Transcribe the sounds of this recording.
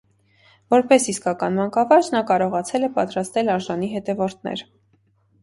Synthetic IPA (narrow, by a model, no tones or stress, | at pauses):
vɔɾpɛsiskɑkɑnmɑŋkɑvɑɾd͡ʒnɑkɑɾɔʁɑt͡sʰɛlɛpɑt̪ɾɑst̪ɛlɑɾʒɑniɦɛt̪ɛvɔɾt̪ʰnɛ̰ɾ